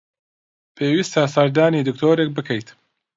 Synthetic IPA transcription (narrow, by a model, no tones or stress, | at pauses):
pʰeːwist̪ʰasɐɾd̪aːniːd̪ɨkt̪ʰoːɾek̚bɨkʰɐjt̪